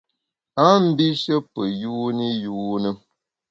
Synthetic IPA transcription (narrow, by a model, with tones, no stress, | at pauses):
a˦m̩˦bi˦ʃə˦pə˨juː˦ni˦juː˦nə˦